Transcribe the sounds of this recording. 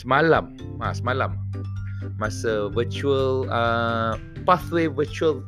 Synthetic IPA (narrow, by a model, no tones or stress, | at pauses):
səmalamʔa̰səmãlamː | asəvət͡ʃuələ | paθwevət͡ʃuəl